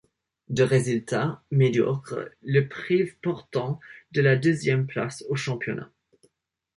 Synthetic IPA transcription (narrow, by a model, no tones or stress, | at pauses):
d̪əʁezylt̪ʰamed̪jɔ̰kχə̰ləpχivpɔʁt̪ɑ̃d̪əlad̪øzjɛmpla̰soʃɑ̃pjɔna̰